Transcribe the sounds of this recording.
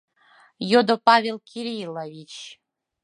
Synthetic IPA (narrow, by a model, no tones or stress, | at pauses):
jod̪opavʲelˠkʲʰiɾʲilˠavʲit͡ɕ